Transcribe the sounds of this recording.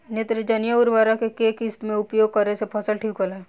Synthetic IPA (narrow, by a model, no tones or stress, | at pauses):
net̪ɾəd͡ʒɐnjaʊɾʋaːɾakekeːkɪst̪mẽʊpjoːɡ̚kɐɾesepʰəsəlʈʰiːkɦola